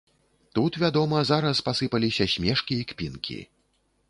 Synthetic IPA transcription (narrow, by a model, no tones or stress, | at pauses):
t̪ut̪vʲad̪ɔmɐzaɾɐspasɨpɐlʲisʲɐsʲmʲɛʂkʲiːkpʲḭnkʲʰḭ